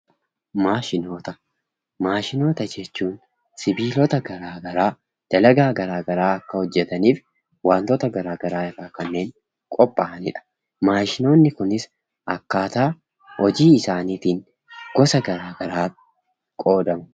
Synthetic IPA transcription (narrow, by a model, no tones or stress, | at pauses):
maːʃɪno̞ːt̪ɐ | maːʃɪno̞ːt̪ɐd͡ʒɛt͡ʃːuːn | sɪbiːlɔt̪ɐɡɐɾaːɡɐɾaː | d̪̥ɐlɐɡaːɡɐɾaːɡɐɾaːɐkːɐhɔd͡ʒːɛt̪ɐniːf | waːnt̪oːt̪ɐɡɐɾaːɡɐɾaːɪrːaːkɐnːe̞ːŋ | kʼɔpʼːaʔɐnɪ̰ᶑɐ̥ | maːʃɪno̞ːnːɪkʊnɪs | ɐkːaːt̪aː | ɔd͡ʒiːɪsaːniːt̪iːn | ɡ̥ɔsɐɡɐɾaːɡɐɾaː | kʼo̞ːd̪ɐmʊ̥